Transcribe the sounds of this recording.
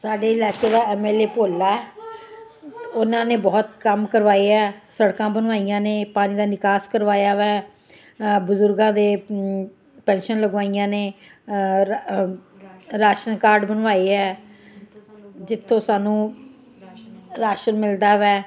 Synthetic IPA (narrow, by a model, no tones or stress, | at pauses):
saːɖeːɪlaːkeːd̪aːɛːmɛːleːpoːlːaːɛː | ʊnãːneːbɔːt̪kəmkəɾʋaːiːɛːsəɽkãːbənʋaːijãːneːpaːniːd̪aːnɪkaːskəɾʋaːjaːʋɛː | bʊzʊɾɡãːd̪eː | pɛ̃ːnʃənləɡʋaːijãːneː | ɾaːʃənkaːɾɖbənʋaːiːɦɛː | d͡ʒɪt̪ʰːõːsaːnũː | ɾaːʃənmɪld̪aːʋɛː